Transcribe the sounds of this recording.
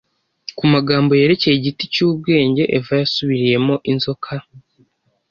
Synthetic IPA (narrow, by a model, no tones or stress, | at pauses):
kumaɡaːmbo̞je̞ɾe̞ce̞jeɟiticuːb̚ɡe̞ːɲɟe̞ʔevajasuβiɾije̞mo̞ʔinzo̞kʰa